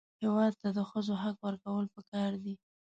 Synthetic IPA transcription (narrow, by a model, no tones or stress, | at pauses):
hewɑd̪̚t̪ad̪əxəzoɦakwəɾkawəlpəkɑɾd̪i